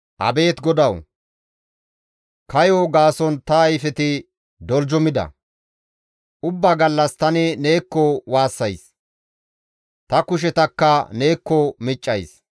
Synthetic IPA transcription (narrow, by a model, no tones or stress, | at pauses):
ʔɐ̰be̞ːt̪ɡɔd̪ɐw | kɐjoːɡaːsɔnt̪ɐɐjfɛt̪ɪ | d̪ɔld͡ʒɔmɪd̪ɐ̰ | ʔʊbːaːɡɐlːɐst̪ɐnɛne̞ːkːɔwaːsːɐjs | t̪ɐkʊʃ̬ɛt̪ɐkːɐne̞ːkːɔmɪt͡ʃʼːɐjs